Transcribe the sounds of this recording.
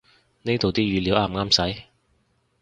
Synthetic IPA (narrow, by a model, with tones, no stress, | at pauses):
ne˥t̪o˨wt̪iː˥jyː˨˧liː˨˥wʔaː˧˥˩mŋaː˥msɐ˨˥j